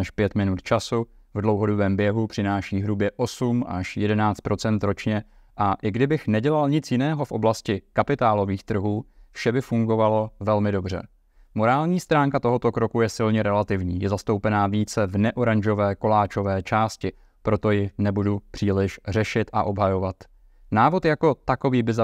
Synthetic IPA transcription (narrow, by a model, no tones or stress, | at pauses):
ɛʃpjɛt̪mɪnut̪t͡ʃasu | vdlo̞wɦo̞dobɛːmbjɛɦupr̝̥ɪnaːʃiːɦɾubjɛʔo̞sumʔa̰ʃjɛdɛnaːt͡st̪pɾo̞t͡sɛnt̪ɾo̞t͡ʃɲɛ | ʔaʔɪɡdɪbɪxnɛɟɛlalɲɪt͡sjɪnɛːɦo̞fʔo̞blascɪkapɪt̪aːlo̞viːxt̪r̩ɦuːfʃɛbɪfuŋɡo̞valo̞vɛlmɪdo̞br̝ɛ̰ | mo̞ɾaːlɲiːst̪ɾaːŋkat̪o̞ɦo̞t̪o̞kɾokujɛsɪlɲɛɾɛlat̪ɪvɲiːjɛzast̪owpɛnaːviːt͡sɛvnɛʔo̞ɾaɲʒo̞vɛːko̞laːt͡ʃo̞vɛːt͡ʃaːscɪ | pɾo̞t̪o̞jɪnɛbudupr̝̥iːlɪʃrɛʃɪt̪ʔa̰ʔo̞bɦajo̞vat̪ | naːvo̞t̪jako̞t̪ako̞viːbɪza